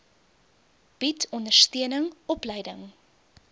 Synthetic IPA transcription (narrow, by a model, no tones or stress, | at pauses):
b̥itɔndərstøənəŋɔplɛjdəŋ